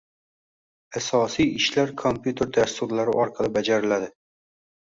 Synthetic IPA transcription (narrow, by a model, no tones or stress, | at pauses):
asɒsijɪʃlaɾkʰompjut̪ʰe̞ɾd̪ast̪ʊɾlaɾɪʔɒɾqʰɑlˠɪbad͡ʒaɾɪlad̪ɪ